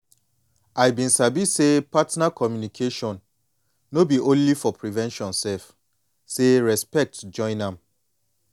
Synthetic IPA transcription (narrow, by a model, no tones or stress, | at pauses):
ajbĩnsabisepatnakʰɔmjunikʰeʃɔ̃nː | obiʔõnlifɔpʰɹivɛ̃nʃɔ̃nsɛf | seɹɛspɛk̚td͡ʒɔ̃ɪ̃nãm